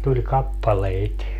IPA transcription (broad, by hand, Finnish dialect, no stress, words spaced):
tulʲ kɑpːɑleit